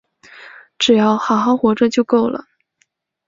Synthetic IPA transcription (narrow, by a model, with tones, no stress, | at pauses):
ʈ͡ʂɻ̩˨˩jɑ˥˩ʊxɑ˨˧˥ʊxɑ˥ʊxwɔ˧˥ʈ͡ʂə˧t͡ɕjo˥˧ʊko˥˩ʊlə̰˩